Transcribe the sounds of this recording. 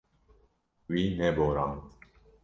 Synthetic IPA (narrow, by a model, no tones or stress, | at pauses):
wineboɾan